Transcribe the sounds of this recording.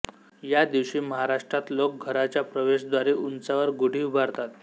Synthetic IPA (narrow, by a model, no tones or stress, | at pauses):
jad̪iʋɕiːməɦaɾaʂʈɾat̪lok̚ɡʱəɾat͡ɕjapɾəʋeɕd̪ʋaɾeʔunt͡saʋəɾɡoɽ̤ʱiːubʱaɾt̪at̪